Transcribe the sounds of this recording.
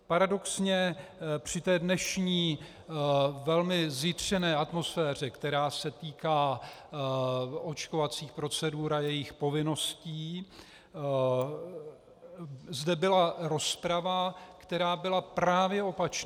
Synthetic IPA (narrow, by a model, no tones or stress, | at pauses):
paɾado̞ksɲɛpr̝̥ɪt̪ɛːdnɛʃɲiː | vɛlmɪzɪt̪r̝̥ɛnɛːʔat̪mo̞sfɛːr̝ɛkt̪ɛɾaːsɛt̪iːkaː | o̞t͡ʃkovat͡siːxpɾo̞t͡sɛduːɾajɛjɪxpo̞vɪno̞sciː | zdɛbɪlaɾo̞spɾavakt̪ɛɾaːbɪlapɾaːvjɛo̞pat͡ʃn